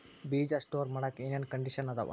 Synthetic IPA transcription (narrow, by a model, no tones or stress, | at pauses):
biːd͡ʒɐsʈoːɾmɐɽɐkinijɐnkɐɳɖiʃɐnɐd̪ɐ̰ʋɐ̰